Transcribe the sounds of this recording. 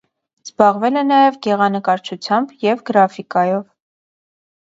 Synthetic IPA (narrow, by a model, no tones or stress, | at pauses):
z̥bɑʁvɛlɛnɑjɛvɡɛʁɑnəkɑɾt͡ʃʰut͡sʰjɑmbjɛvɡəɾɑfikɑjɔv